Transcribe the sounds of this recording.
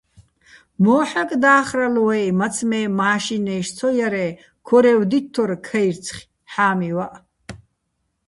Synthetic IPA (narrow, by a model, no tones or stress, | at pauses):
mɔːħakʼd̪aːχralwɛjmat͡sʰmɛːmaːʃinɛjʃt͡sʰɔjaɾɛ | kʰɔɾɛwd̪it̪ʰːɔrkʰɐjrt͡sʰχʲ | ħaːmiwaʔ